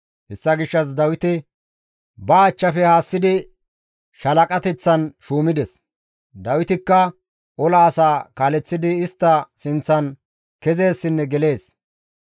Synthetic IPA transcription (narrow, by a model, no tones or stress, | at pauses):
hɛsːɐɡɪʃːɐs̬d̪ɐwɪt̪ɪ | bɐːt͡ʃːɐfɛhaːsːɪd̪ɪ | ʃɐlɐkʼɐt̪ɛt͡sːɐnʃuːmɪd̪ɛs | d̪ɐwɪt̪ɪkːɐ | ɔlaːsaːkaːlɛt͡sːɪd̪ɪːst̪ːɐsɪnt͡sːɐn | kɛze̞ːsːɪnːɛɡɛle̞ːs